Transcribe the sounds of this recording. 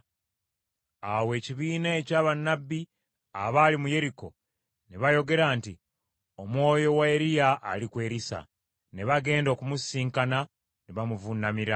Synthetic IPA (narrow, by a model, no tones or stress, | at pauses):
awe̞ːciβiːnae̞caːβanːabːi | aβaːlimuje̞ɾiko̞ | neβajo̞ɡe̞ɾaːnti | omwo̞ːjo̞waeɾijaʔːlikwe̞ːɾisa̰ | neβaɡe̞ːndo̞ːkumusiːŋkana | neβamuvunamiɾa